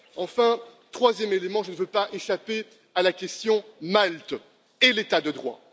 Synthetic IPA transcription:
ɑ̃fɛ̃t̪χwazjɛmelemɑ̃ʒənəvøpaʔeʃape | alakʲɛst̪jɔ̃malt̪ | elet̪ad̪əd̪ʁwa̰

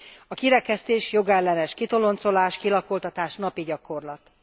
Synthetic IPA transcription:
ɒkiɾɛkɛst̪eːʃjo̞ɡɛlːɛnɛʃkit̪o̞lo̞nt̪so̞laːʃkilɒkolt̪ɒt̪aːʃnɒpiɟɒko̞rlɒt̪

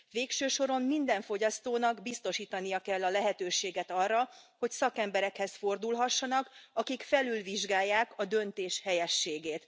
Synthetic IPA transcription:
ʋeːkʃøːʃo̞ɾo̞mmind̪ɛɱfo̞ɟɒst̪oːnɒɡbist̪o̞ʃiːt̪ɒnijɒkɛlːɒlɛɦɛt̪øːʃeːɡɛt̪ɒrːɒho̞csɒkɛmbɛɾɛkhɛsfo̞rd̪ulɦɒʃːɒnɒkɒkikfɛlylviʒɡaːjːaːkɒd̪ø̞nt̪eːʃhɛjɛʃːeːɡeːt̪

